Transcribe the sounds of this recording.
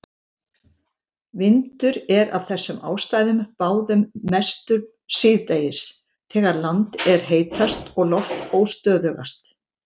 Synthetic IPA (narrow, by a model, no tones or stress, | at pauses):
vɪnt̪ʏɾɛɾa̰v̥θɛsːʏma̰ːwst̪aːjðʏmpaːwðʏmːɛst̪ʏɾ | sɪːðt̪eːjɪs | θʰɛːɣaɾlant̪ɛɾ̥ɦeːjt̪ʰast̪ɔɣlɔft̪oːwst̪œːðʏɣa̰st̪